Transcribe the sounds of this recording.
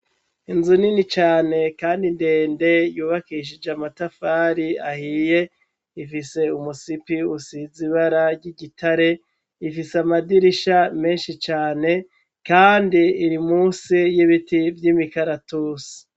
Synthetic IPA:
inzuninit͡ʃaːne̞kaːndinde̞ːnde̞juːβakiʃ̬id͡ʒamatafaːɾiahije̞ | ifise̞umusipiusiziβaɾaɾɟiɟitaɾe̞ | ifisamadiɾiʃame̞ːnʃit͡ʃaːne̞ | kaːndiːɾimuːsijiβitivjimikaɾatuːsi̥

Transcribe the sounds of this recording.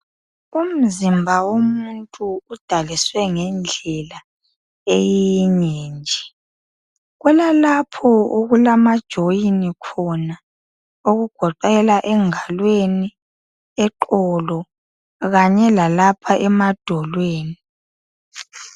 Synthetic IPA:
um̩zimbʱawomuntʼuːd̥ʱaliswɛŋɛnd͡ɮʱɛla | ejiɲɛːnd͡ʒʱɛ̥ | ɣwɛlalapʰɔoɣulamad̥ʒ̥ʱojinikʰɔna | oɣuɡ̥ʱɔǃɛlaʔɛŋalweni | ɛǃɔlɔ | ɣaɲɛlalapʰaʔɛmad̥ʱɔlweːni

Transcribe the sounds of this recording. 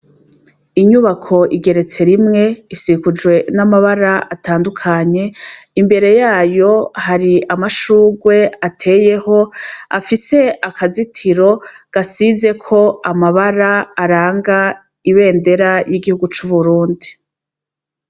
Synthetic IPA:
iɲuβakʰo̞ʔiɡe̞ɾe̞t͡se̞ɾimŋe̞isikud͡ʒwe̞namaβaɾaʔataːndukʰaɲe̞imbe̞ɾe̞jaːjo̞haɾiamaʃuːɡwe̞atʰe̞ːje̞ho̞afise̞akazitʰiɾo̞ɡ̥asize̞kʰo̞amaβaɾaːɾaːŋɡa | iβe̞ːnde̞ɾajiɡihuɡut͡ʃuβuɾuːndi

